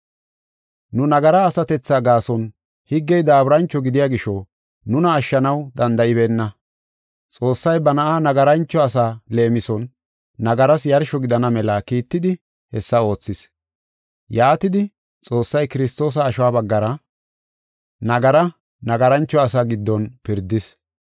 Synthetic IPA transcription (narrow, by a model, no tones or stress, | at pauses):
nʊnɐɡɐɾɐːsɐt̪ɛt͡sːaɡaːsɔn | hɪɡːɛjd̪aːbɾɐnt͡ʃːɔɡɪd̪ɪjaːɡɪʃɔ | nʊnɐːʃːɐnɐwd̪ɐnd̪ɐʔɪβeːnːɐ | t͡sʼo̞ːsːɐjbɐnɐʔaːnɐɡɐɾɐnt͡ʃːɔɐs̬aːleːmɪsɔnː | ɐɡɐɾɐsjɐɾʃɔɡɪd̪ɐnɐmɛlɐkiːt̪ːɪd̪ɪ | hɛsːɐo̞ːt͡sːɪs | jaːt̪ɪd̪ɪ | t͡sʼo̞ːsːɐjkɪɾɪst̪o̞ːs̬ɐːʃwaːbɐɡːɐɾɐ | nɐɡɐɾɐ | nɐɡɐɾɐnt͡ʃːɔɐs̬aːɡɪd̪ːɔnpɪɾd̪ːɪs